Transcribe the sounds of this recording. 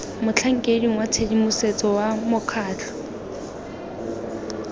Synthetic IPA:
mʊt͡ɬʰaŋ̩kʼediŋwat͡sʰedimuset͡sʼɔwamʊkʰaːt͡ɬʰɔ̥

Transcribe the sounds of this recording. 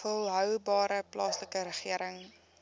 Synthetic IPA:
ulˠɦœwbɑːɾəplɑːsləkəɾəχiəɾəŋ

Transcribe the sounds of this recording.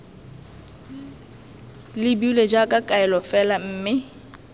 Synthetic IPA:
lɪbiuled͡ʒakʼakʼaɛlɔfɛlam̩ːmɪ

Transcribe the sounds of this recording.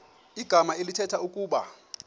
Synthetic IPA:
iɡ̥ʱamaelitʰɛtʰaukʼuːɓa̰

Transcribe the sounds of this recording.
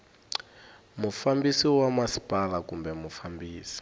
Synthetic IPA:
mufambisiwamasi̥pʼalakumbɛmufambiːsi̥

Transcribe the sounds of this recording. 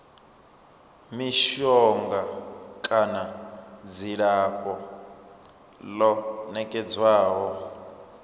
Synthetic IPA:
miʃɔŋɡakʼanad͡ziɺapʼɔ | lɔnɛkʼɛd͡zwaːɦɔ

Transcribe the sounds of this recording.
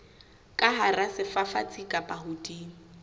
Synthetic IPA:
kʼaɦarasɪfafa̰t͡sʰʼikʼapʼahʊtʼiːŋ̩

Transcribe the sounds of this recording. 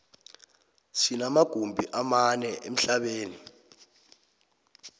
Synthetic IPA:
sinamaɡ̥ʱumbʱiʔamanɛʔem̩ɬaɓeːni

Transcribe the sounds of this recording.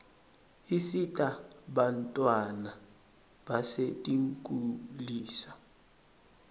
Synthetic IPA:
isitʼaɓantʼwana | ɓasetʼiŋkʼuliːsḁ

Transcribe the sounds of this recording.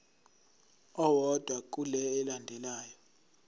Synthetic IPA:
ɔwɔd̥ʱwak̬ʼulɛːlandʱɛlaːjɔ

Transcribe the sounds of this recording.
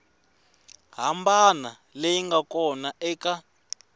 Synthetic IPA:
ɦambana | lejiŋɡakɔnaʔɛka

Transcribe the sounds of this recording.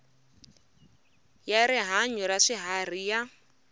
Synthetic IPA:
jaɾɪɦaɲɔɾaʂɪɦarija

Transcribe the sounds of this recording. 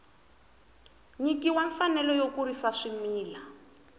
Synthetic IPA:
ɲikiwaɱfanɛlɔjokurisaʂimiːla

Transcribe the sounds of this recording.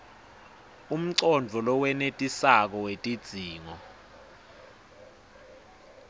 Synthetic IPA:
um̩ǀɔnd͡vʱɔlɔwɛnetʼisak̬ɔwetʼid̥z̥ʱiːŋɔ

